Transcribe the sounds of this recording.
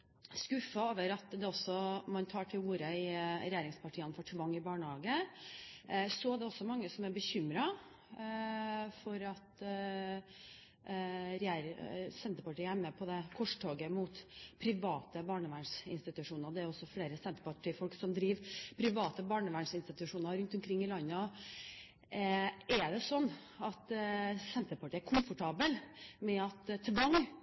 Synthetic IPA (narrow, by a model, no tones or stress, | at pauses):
skʉfːɑoːʋəɾɑt̪d̪ɛɔsːɔmɑnt̪ʰɑːʈʰɪluːɾəɪɾɛjæːɾɪŋspʰɑʈʰiːənfɔʈʰʋɑŋːɪbɑːɳəhɑːɡə | sɔæɖɛɔsːɔmɑŋːəsɔmæɾbəçʏmɾɑ | fɔɾɑt̪ | ɾɛjæːɾsɛnt̪əɾpɑʈiːæmːəpʰɔd̪ɛkʰɔʂʈʰoːɡəmuːt̪pʰɾɪʋɑːt̪əbɑːɳəʋæɳʂɪ̰nst̪ɪt̪ʉʂuːnəɾd̪ɛæɾɔsːɔfleːɾəsɛnt̪əpɑʈʰiːfɔlksɔmd̪ɾiːʋpʰɾɪʋɑːt̪əbɑːɳəʋæɳʂɪnst̪ɪt̪ʉʂuːnəɾɾʉnt̪ʊmkʰɾɪŋːɪlɑnːəɔ | ɛɖɛsɔnː | ɑt̪sɛnt̪əpɑʈiːæɾkʰʊmfʊʈʰɑːbəlmɛɑt̪t̪ʰʋɑŋ